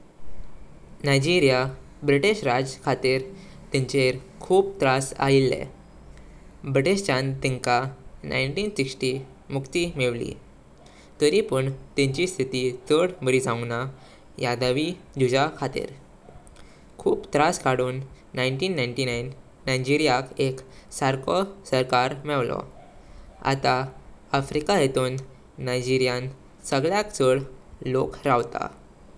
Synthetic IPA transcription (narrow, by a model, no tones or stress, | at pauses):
najd͡ʑiɾija | bɾiʈiɕɾad͡zkʰat̪iɾ | t̪ɛ̃ɲt͡ɕeɾ | kʰuːp̚t̪ɾasa̰ilːɛ̰̃ | bɾiʈeɕt͡ɕãnt̪ĩŋkana̰jɳʈiːnsiksʈi | mukt̪imeʋlḭ | t̪əɾipəɳt̪ɛ̃ɲt͡ɕist̪ʰit̪it͡səɽməɾid͡zãna | jad̪aʋi | d͡ʑud͡ʑakʰat̪ḭɾ | kʰuːpt̪ɾaskaɽuːnː | aiɳʈiːnːajɳʈinajnː | ajd͡ʑiɾijakeksaɾkɔsəɾkaɾmɛʋlɔ̰ | a̰t̪aafɾikajet̪uːnː | ajd͡ʑiɾijãn | səɡɭjakt͡səɽlokɾaʋt̪a̰